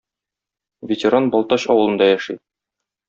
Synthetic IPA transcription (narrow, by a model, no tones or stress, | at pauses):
vʲɪtʲɪɾanbɒlˠt̪ɑɕɒ̰wɤ̆lˠɤ̆nd̪ɑjæʃi